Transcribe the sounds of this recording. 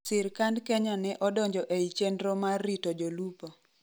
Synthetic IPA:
sɪɾkandkɛɲanɛʔɔdɔɲd͡ʒɔʔeit͡ʃendɾomarːitod͡ʒolupo

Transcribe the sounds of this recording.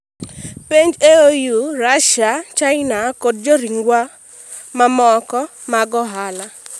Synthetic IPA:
peɲd͡ʒeojuɾaʃat͡ʃaɪnakod̚d͡ʒoɾiŋɡwa | mamɔkɔ | maɡɔɦala

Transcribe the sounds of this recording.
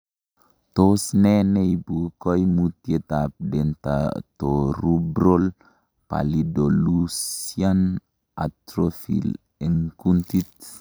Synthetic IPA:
t̪osnɛneibukɔjmut̪iet̪ap̚dent̪a̰toɾubɾol | pa̰lidolusian | a̰t̪ɾofḭl | ɛŋkuntit̪̚

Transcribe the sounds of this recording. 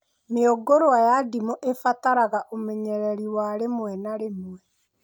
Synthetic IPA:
meoɡoɾoajadimoʔefataɾaɣaʔomeɲɛɾɛɾiwaɾemwɛnaɾemwɛ

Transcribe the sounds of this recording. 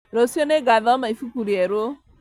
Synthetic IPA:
ɾosioneɡaðɔmaifukuɾieɾo

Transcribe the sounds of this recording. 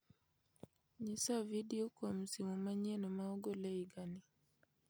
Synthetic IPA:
ɲisavidiokom̩siŋomaɲenomaɔɡoleiɡani

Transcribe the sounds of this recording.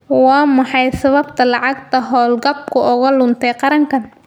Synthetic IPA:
wɑːmɑħɑjsɐβɐbt̪ʰɐlɑʕɑɡ̚t̪ʰɐɦɔːlɡɐb̚kʰʊʔʊɣɐlʊnt̪ʰɛjqɑɾɐŋkʰɐn

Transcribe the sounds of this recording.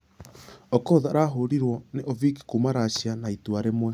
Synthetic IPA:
ɔkoðaɾaɦoɾiɾwɔneʔoviki̥kumaɾaɕjanaituaɾemwɛ

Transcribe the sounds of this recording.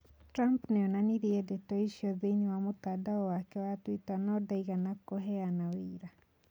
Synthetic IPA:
tɾampnɛɔnaniɾiɛdetɔiʃiɔðeɲewamotadaɔwakɛwatwitanɔdaiɣanakoɦɛanawiːɾa

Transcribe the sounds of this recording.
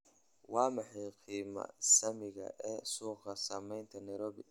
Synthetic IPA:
wɑːmɐħijqiːmɐ̰sɐmɪɣɐ̰ʔɛːsuːqɐsɐmɛjnt̪ʰɐnɐjɾɔːbɪ

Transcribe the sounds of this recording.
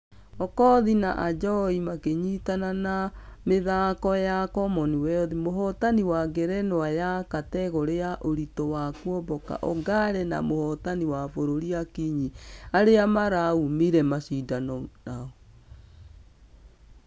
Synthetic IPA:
ɔkɔðinaʔad͡ʒɔimakeɲitananameðakɔjakɔmɔniwɛɔðimoɦɔtaniwaɡɛɾɛnwajakatɛɣɔɾeaʔoɾitɔwakwɔbɔka̰ʔɔɡaɾɛna̰mohɔtaniwafoɾoɾiakiɲiaɾeamaɾaumiɾɛmaɕidanɔnaɔ

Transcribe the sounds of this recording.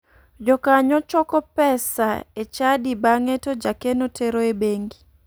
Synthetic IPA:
d͡ʒɔkaɲɔt͡ʃɔkɔpɛsa̰et͡ʃadibaŋetod͡ʒakenotʰeɾoebeŋɡi

